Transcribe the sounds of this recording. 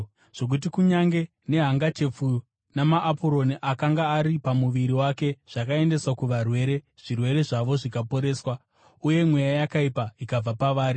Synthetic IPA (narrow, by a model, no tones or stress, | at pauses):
ʐ̥o̞k̬ut̬ikuɲaŋɡe̞ | ne̞ɦaŋɡat͡ʃe̞p͡fu | namaʔːpoɾo̞niʔakaŋɡaːɾipamuʋiɾiwake̞ʐ̥akae̞nde̞swakuʋarwe̞ːɾe̞ | ʐ̥irwe̞ɾe̞ʐaʋo̞ʐikapo̞ɾe̞ːswa | uje̞mwe̞jajakaipaikab͡vapaʋaːɾi